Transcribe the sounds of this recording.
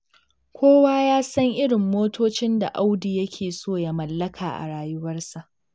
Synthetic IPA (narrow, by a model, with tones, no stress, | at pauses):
kʷoː˦waː˦jaː˦sɐ˦ŋʔɪ˦ɽɪ˨mːoː˦tʰoː˦t͡ʃɪ˦nda˨ʔa˦wdiː˨jɐ˦kʲʰeː˨soː˦˨ja˦mɐ˨lːɐ˦kʰaː˨ʔa̰˨ɽaː˨jʊ˦wɐ˦rsa˨ʔ